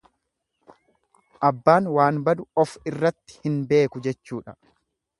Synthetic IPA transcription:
ʔɐbːaːnwaːnbɐd̪ʊɔfɪrːɐt̪ːɪ̥hɪnbe̞ːkʊd͡ʒɛt͡ʃːuːᶑɐ

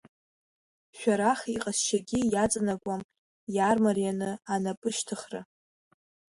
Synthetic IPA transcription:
ʃʷᶣaɾaχiqʼasʃaɡʲijat͡sʼanakʷʼam | jarmarjanɨanapʼɨʃtʰɨχrɨ̰

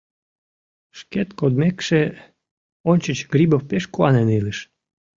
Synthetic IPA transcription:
ʃket̪kod̪mekʃe | onʲt͡ɕət͡ɕɡ̥ɾibofpeʃkoɑneniləʃ

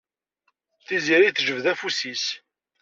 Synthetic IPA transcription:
θiziɾiθʒəvðæfusis

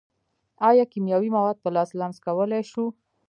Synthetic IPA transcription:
ɑjɑkimjɑwimawɑd̪̚p̪alɑslamskawəlajʃu

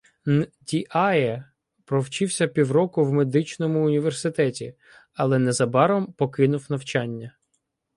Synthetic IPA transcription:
dʲiʔaɛ | pɾɔwt͡ʃɪwsʲɐpʲiwɾɔkʊwmed̪ɪt͡ʃnɔmʊːnʲiʋersɪt̪ɛtʲḭ | ɐlˠɛnɛzɐbɑɾɔmpɔkɪn̪ʊwnɐwt͡ʃɑnʲːɐ

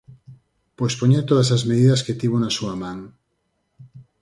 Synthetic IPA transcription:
pojspoɲet̪oðɐs̬azmeðiðɐsket̪iβonɐsuɐmãŋ

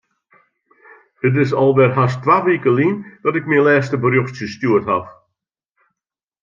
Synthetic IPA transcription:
d̥ət̬ɪsɔlˠʋɛrɦastʋaːʋikəlindɔtɪk̚milɛːstəbərjoxstjəstjuəthaf

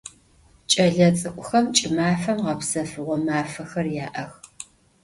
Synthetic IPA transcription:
t͡ʃʼɐɮɐt͡sʼɨkʷʼʊxɐmt͡ʃʼɪmaːfɐmʁɐpsɐfɨʁʷɔmaːfɐxɐrjaːʔɐx

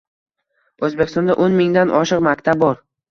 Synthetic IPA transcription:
ɵzbekʲɪst̪ɒnd̪aʔonmɪŋd̪anʔɒʃɨqmakʲt̪ʰab̚bɒɾ

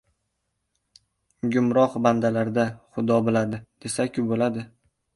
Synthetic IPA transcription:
ɡʲʊmɾɒqband̪alaɾd̪aχʊd̪ɒbɪlad̪ɪd̪̥e̞sakʲʊbolad̪ɪ

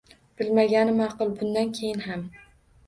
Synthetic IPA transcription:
b̥ɪlmaɡʲanɪmɑqɨlˠbʊnd̪ankʲʰejɪnɦam

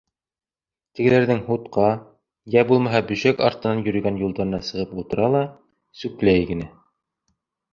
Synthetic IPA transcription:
t̪ɘ̆ɡɘ̆læɾðɘŋhut̪qɑ | jæbulˠmɑɦɑbʉ̆ʃækɑ̰ɾt̪ɤ̆nɑnjɵ̆ɾɵ̆ɡænjulˠd̪ɑɾɤ̆nɑsɤ̆ʁɤput̪ɤ̆ɾɑlˠɑ | sʉklæjɡɘ̆næ

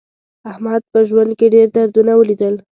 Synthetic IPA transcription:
ahmad̪̚pəʒwand̪̚keɖeɾd̪aɾd̪unawəlid̪əl

